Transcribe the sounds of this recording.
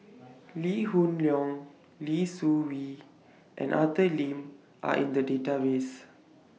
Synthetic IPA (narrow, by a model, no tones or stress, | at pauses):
lihũnljɔ̃ŋ | lisuwi | ʔɛ̰̃nʔatəlĩm | ʔa̰ʔḭ̃ndədetawes